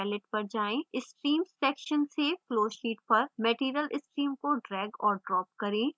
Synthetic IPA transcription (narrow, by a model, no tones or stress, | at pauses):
ɛːlɪʈ̚pɐɾd͡ʒaːẽɪsʈɾiːmɛːkʃənsekloːʃiːʈ̚pɐɾmɛʈiːɾjəlɪsʈɾiːmkoɖɾɛːɡɔːɾɖɾɔːp̚kɐɾẽː